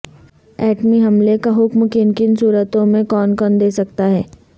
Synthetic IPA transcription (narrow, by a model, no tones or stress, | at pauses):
ɛːʈmiɦɐmlekaɦʊkmkɪnkɪnsuːɾət̪õmẽkɔːnkɔnd̪eːsɐk̚t̪aɦɛː